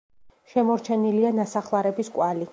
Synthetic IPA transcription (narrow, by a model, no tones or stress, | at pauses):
ʃɛmɔɾt͡ʃʰɛnilianasaχlˠaɾɛbiskʼwali